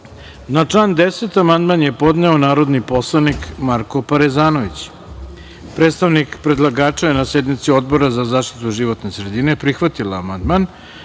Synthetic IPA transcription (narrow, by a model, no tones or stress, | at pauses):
nat͡ʂlˠand̪eset̪amand̪manje̞po̞d̪neo̞naːɾo̞d̪nipo̞slˠanikmaɾkopaɾezaːno̞ʋit͡ɕ | pɾet̪st̪aʋnikpɾe̞d̪lˠaɡaːt͡ʂajenased̪mit̪sio̞d̪̚bo̞ɾazazaːʃt̪i̥t̪uʒiʋo̞t̪ne̞sɾed̪ine̞pɾixʋat̪ilaːmand̪man